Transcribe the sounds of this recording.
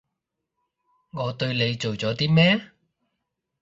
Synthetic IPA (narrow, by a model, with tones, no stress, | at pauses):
ŋɔː˨˧t̪ɵ˧ɥle˨˧jt͡so˨wt͡sɔː˨˥t̪iː˥mɛː˥